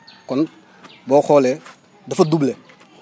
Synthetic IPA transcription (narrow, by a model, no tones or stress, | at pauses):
kɔn | bɔxɔlɛ | dɐfɐdublɛ